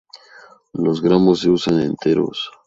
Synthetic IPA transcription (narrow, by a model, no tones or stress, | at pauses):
lozɣɾamosːeusanḛnt̪ʰeɾo̰s